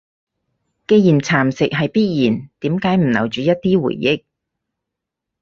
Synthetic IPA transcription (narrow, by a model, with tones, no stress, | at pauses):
ke˧ji˨˩nt͡sʰaː˨˩msɪ˨k̚ɦɐ˨jpiː˥t̚jiː˨˩nt̪iː˨˥mkaː˨˥jm̩˨˩nɐ˨˩wt͡ʃyː˨˧jɐ˥t̚t̪iː˥wṵː˨˩jːɪ˥k̚